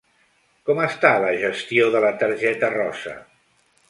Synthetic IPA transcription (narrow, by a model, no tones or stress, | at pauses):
kɔməst̪aləʒəst̪ioðələt̪əɾʒɛt̪ərɔsə̰